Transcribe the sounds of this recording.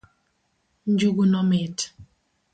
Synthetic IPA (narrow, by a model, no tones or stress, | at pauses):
n̩d͡ʒuɡunɔmet